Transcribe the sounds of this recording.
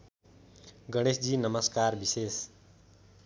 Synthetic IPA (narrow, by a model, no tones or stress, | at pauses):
ɡʌɽ̃esd͡ʒiːnəməskaːɾbiseːs